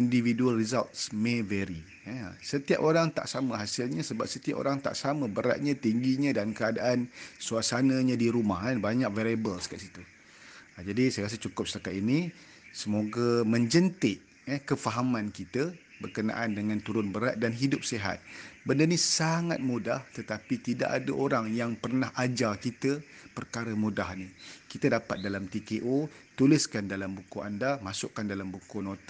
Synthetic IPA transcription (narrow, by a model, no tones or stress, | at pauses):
individualrizalt̪̚smevɛɾḭ | sət̪ia̰poɾaŋt̪a̰ʔsaməɦasɪlɲə̃səba̰p̚sət̪ia̰po̰ɾaŋt̪a̰ʔsaməbəɾa̰ʔ̪̚ɲãt̪iŋɡiɲə̃dankəadaʔansuasanãɲãdiɾumaɦanbaɲak̚vaɾiabəlskaʔsit̪u | d͡ʒadisajakas̬ət͡ʃukʊp̚səlakat̪ini | səmoɡamə̃ɲd͡ʒənt̪ɪʔ | əkəfaɦamãnkit̪əbərkənã̰ʔandəŋãnt̪uɾʊnbəɾat̪̚danɦidʊp̚seɦa̰t̪̚bəndənisaŋa̰t̪̚mudaht̪ət̪apit̪ida̰ʔadəʔoɾaŋjaŋpərnaɦad͡ʒakit̪əpərkaɾəmudahnikit̪ədapat̪̚dalamt̪ikeʔot̪ulɪskandalambukua̰ndamasʊʔkːandalambukunot̪